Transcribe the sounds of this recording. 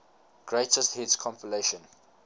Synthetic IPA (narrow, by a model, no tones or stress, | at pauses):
ɡ̥ɹetəsthitskʰɔ̃mpəleʃə̃n